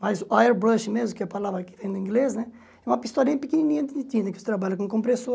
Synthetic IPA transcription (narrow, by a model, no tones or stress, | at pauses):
majzuajɛɾbɾɐʃmezmʊkɛpalavɾɐkɪ̥vẽj̃d̪ʊĩŋɡleznɛ | ɛũmɐpist̪ɔɾĩpikininĩɐ̃t̪id̪it̪ĩnd̪ɐkvose̥t̪ɾabaʎɐkõkõpɾeso